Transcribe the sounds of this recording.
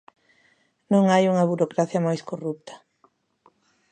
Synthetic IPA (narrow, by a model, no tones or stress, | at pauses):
nõŋajuŋɐβuɾokɾaθjɐmajskorup̚t̪ʰɐ̥